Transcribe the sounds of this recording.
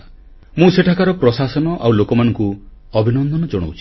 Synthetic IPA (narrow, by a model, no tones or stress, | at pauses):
mũseʈʰakaɾɔpɾɔsasɔnɔʔawlokɔmanɔ̃ŋku | ɔbʱinɔnd̪ʱɔnɔd͡ʒɔɽ̃o̰wt͡ʃʰi̥